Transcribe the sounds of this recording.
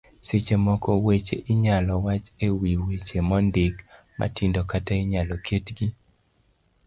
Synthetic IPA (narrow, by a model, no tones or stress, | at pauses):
set͡ʃemɔkɔwet͡ʃḛʔɪɲalɔwat͡ʃewiwet͡ʃemɔndɪk | ma̰tɪndɔkataɪɲalɔkʰetɡi